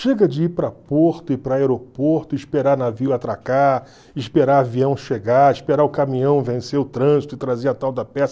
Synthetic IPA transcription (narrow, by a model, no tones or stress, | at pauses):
ʃeɡɐd͡ʒɪipɾɐpoɾt̪ʊɪpɾɐaeɾopoɾt̪ʊɪʃpeɾanaviʊat̪ɾakaɾ | ɪʃpeɾaɾviɐ̃w̃ʃeɡaɾɪʃpeɾaɾʊkamĩɲɐ̃w̃vẽsewʊt̪ɾɐ̃zit̪ʊɪt̪ɾaziɐat̪awd̪ɐpɛsɐ